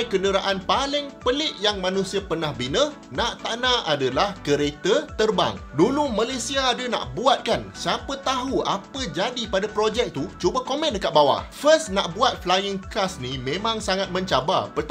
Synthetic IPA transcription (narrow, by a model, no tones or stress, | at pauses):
kəndəɾaʔanpalɪŋpəlɪʔjaŋmãnũsiapərnahbinə | naʔt̪anãadalahkəɾet̪ət̪ərba̰ŋdulumãlesiaːdəna̰ʔbuat̪̚kansiapət̪aɦua̰pəd͡ʒadipadapɾod͡ʒɛk̚t̪ut͡ʃubəkomɛ̃ndəkat̪̚bawa̰ʔfəsnaʔbuat̪̚flajəŋkasnimẽmãŋsaŋat̪̚mə̃ɲt͡ʃaba̰pət̪